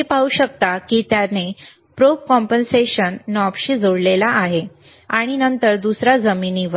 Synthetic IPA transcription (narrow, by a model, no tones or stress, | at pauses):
epauɕək̚t̪akit̪jane | pɾokɔmpənseɕənːɔpɕiːd͡zoɽlelaʔːɦe | aɽ̃inənt̪əɾd̪usɾad͡zəminiːʋə